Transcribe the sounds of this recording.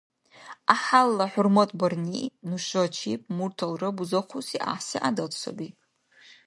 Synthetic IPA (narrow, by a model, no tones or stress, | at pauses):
aħalːaħʊrmatʼbarninuʃʷat͡ʃʰipʼmurtʰalrɨbuzaχʷusiʔa̰ħsiʔadatʼsʰo̰bipʼ